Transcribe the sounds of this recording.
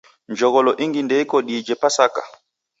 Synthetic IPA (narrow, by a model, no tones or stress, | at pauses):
ɲd͡ʒɔɣɔlɔʔiŋɡindɛjkɔɗiːd͡ʒɛpasaka̰